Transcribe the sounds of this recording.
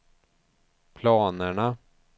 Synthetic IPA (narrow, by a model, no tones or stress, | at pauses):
pʰlɑːnəɳa